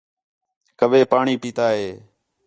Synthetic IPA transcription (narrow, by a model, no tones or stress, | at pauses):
kəʋeːpaːɳiːpiːt̪aːɦeː